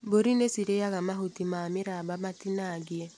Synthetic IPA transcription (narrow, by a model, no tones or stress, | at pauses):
boɾinesiɾejaɣamaɦotimameɾabamatinaɡiɛ